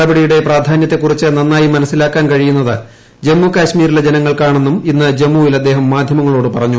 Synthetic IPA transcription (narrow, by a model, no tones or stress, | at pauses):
ɐbɐɽijuɽe̞praːd̪ʱaːnjɐt̪ːe̞kːurit͡ɕːɨnɐnːaːjimɐnɐsːilaːkːaːnkɐɻijunːɐðɨ | d͡ʑe̞mːukaːɕmiːɾiled͡ʑenɐŋːɐɭkaːɳenːuminːɨd͡ʑemːuːilɐd̪ːe̞ːɦɐmːaːd̪ʱjɐmɐŋːɐɭo̞ːɽɨpɐ̰rɐɲːu